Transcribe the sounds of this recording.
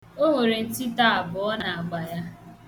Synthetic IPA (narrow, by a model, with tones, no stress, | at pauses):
o˦ŋʷe˨ɾe˨n̩˦ti˦ta˦a˨bʊ˨ɔ˦na˨a˨ɡ͡ba˨ja˦